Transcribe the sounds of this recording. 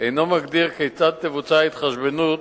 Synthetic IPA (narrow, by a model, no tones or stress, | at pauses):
enɔmaɡd̪iʁkejt͡sat̪̚nəvut͡saɪt̪χaʃbɛnut̪̚